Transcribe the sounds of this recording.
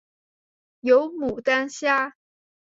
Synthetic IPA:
jo˧˥ʊmu˨˩t̪a˥nɕja˥

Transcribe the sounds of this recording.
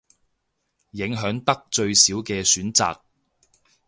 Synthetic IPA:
jɪ˨˥ŋɦœː˨˥ŋt̪ɐ˥k̚t͡ʃɵ˧ɥsiː˨˥wkɛː˧syː˨˥nt͡sa̰ː˨k̚

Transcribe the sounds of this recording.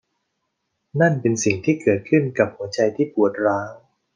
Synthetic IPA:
na˥˩npe˧nsi˨˩ŋt̪ʰiː˥˩kɤː˨˩t̪̚kʰɯ˥˩nka˨˩p̚hu˩˦ɐt͡ɕa˧jt̪ʰiː˥˩pu˨˩ət̪̚ɾaː˦˥ŋ

